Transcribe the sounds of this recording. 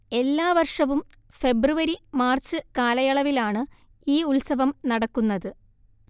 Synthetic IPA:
e̞lːaːʋɐrʂɐʋum | fe̞bruʋɐɾimaːrt͡ɕːɨkaːlɐjɐɭɐʋilaːɳɨ | iːulsɐʋɐmnɐɽɐkːunːɐðɨ

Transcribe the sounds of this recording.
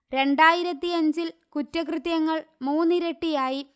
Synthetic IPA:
ɾe̞ɳɖaːjiɾɐt̪ːiɐɲd͡ʑilkutːɐkrɨt̪jɐŋːɐɭmuːnːɨɾeʈːijaːji

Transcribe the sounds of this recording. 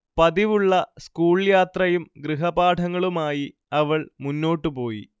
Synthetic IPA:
pɐðiʋuɭːɐskuːɭjaːt̪rɐjumɡɾɨɦɐbaːʈʰɐŋːɐɭumaːji | ɐʋɐɭmunːo̞ːʈːɨpo̞ːjḭ

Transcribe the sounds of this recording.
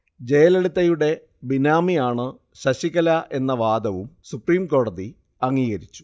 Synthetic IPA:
d͡ʑe̞jɐleɽut̪ːɐjuɽe̞ | binaːmijaːɳɨ | ɕɐɕiɣɐlɐʔe̞nːɐʋaːd̪ɐʋumsupriːmko̞ːɽɐði | ɐŋːiːɣɐɾit͡ɕːu̥

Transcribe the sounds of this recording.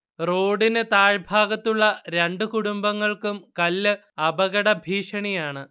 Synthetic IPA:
roːɽinɨt̪aːɻbʱaːɡɐt̪ːuɭːɐɾeɳɖɨkuɽumbɐŋːɐɭkumkɐlːɨ | ɐbɐɣɐɽɐbʱiːʂɐɳijaːɳɨ

